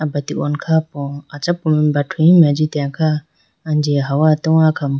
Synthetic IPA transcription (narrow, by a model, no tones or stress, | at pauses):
abat̪iʔɔ̰nkʰapɔat͡ʃapːɔminbatʰujimiad͡ʒitɛakaː | nd͡ʒiɦawatɔwakam